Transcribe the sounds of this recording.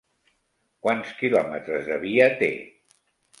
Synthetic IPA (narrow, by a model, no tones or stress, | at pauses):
kwanskilɔmət̪ɾəzðəβ̞iət̪ḛ